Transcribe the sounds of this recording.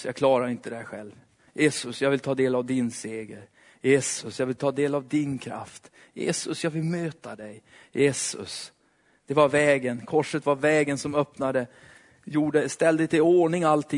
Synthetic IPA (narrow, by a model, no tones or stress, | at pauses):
jɑkʰlɑːɾaɾɪnt̪əd̪ɛhæɧɛ̰lv | jʔeːsɵsjɑːɡvɪlt̪ʰɑːd̪eːlavd̪ɪnseːɡəɾ | jeːsɵsjɑːɡvɪlt̪ʰɑːd̪eːlavd̪ɪnkʰɾa̰ft̪ | jḛːsɵsjɑːɡvɪlmøːt̪ad̪ɛj | jʔeːsɵ̰s | d̪̥ɛvaɾvɛːɡənkʰɔʂət̪vaɾvɛːɡənsɔmœpnad̪ə | juːɖəst̪ɛld̪ət̪ɪoːɳɪŋalt̪ʰɪ